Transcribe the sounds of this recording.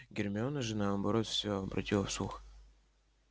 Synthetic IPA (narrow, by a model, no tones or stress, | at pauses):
ɡʲɪrmʲonəʐɨnabɐɾot̪fsʲoɐbɾʔɐ̰tʲilˠəfslˠux